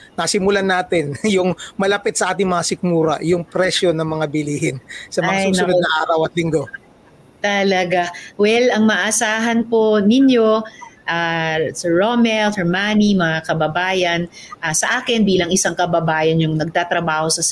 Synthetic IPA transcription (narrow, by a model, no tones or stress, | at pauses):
nɐsɪmʊlanaːt̪ɪnjʊŋmɐlɐpɪt̪̚sɐʔaːt̪ɪŋmɐŋasɪk̚muːɾɐ̰jʊŋpɾɛʃjo̞nɐŋmɐŋabɪliːhɪnsɐɐŋaasjʊsɐʊodnɐŋʔaːɾɐwɐt̪̚lɪŋɡo̞ | t̪ɐlɐɡawɛlɐŋmɐʔɐsaːɦɐnponɪnjo̞ʔaːsɛːomɛlsɛmaːnimɐŋakɐbɐbaːjɐn | ʔaːsɐʔaːkɪnbiːlɐŋʔɪsaŋkɐbɐbaːjɐnjʊŋnɐɡ̚t̪at̪ɾɐbaːho̞sɐ